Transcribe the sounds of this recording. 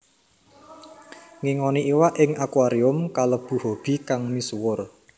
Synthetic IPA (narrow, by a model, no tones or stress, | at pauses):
ŋiŋɔniʔiwaʔɪŋakuwaɾiʊmkaləb̥ṳhob̥i̤kaŋmiswʊr